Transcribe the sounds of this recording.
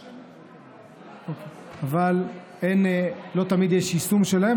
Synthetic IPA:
oke | aval | enlo̞t̪amid̪jeʃisumʃelae

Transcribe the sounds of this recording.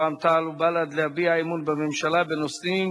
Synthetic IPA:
amt̪alubalad̪lehabiaimunbememʃalabenosim

